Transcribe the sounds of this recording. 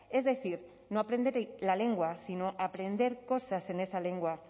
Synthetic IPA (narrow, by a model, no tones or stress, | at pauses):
ezðeθiɾ | noapɾend̪eɾlale̞ŋɡwasinoʔapɾe̞nd̪e̞ɾko̞sase̞ne̞sale̞ŋɡwa